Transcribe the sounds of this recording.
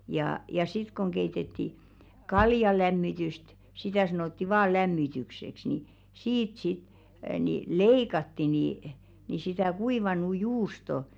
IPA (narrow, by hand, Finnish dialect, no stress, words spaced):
jɑː jɑ sit koŋ keitetːi kɑljɑlæmːityst sitæ sɑnotːi ʋɑː læmːitykseks ni siːt sit ni leikɑtːi niˑ sitæ kuiʋɑnu juːsto